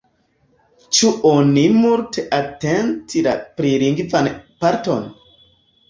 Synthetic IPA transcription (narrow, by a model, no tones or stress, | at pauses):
t͡ʃuʔonimultʰeʔatentʰila̰pɾiɾiŋɡvanpaɾto̰n